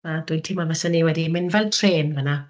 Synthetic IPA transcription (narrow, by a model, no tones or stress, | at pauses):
ad̥ʊɨdtʰɪmavɛsɛniwɛdimɪnvɛlˠtʰreːnvəna